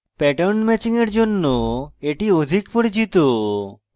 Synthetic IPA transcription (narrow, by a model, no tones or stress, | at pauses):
pɛʈonmɛt͡ɕiŋeɾd͡ʑonːoeʈiod̪ʱikpoɾit͡ɕit̪o